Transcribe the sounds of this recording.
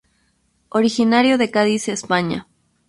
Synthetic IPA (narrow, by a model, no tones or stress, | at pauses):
oɾixinaɾjoðekaðisespaɲa̰